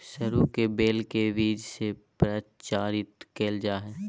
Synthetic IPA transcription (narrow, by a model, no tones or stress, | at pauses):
səɾukebeːlkeʋiːd͡ʒsepɾət͡ʃaːɾɪt̪keːld͡ʒaːɦɛː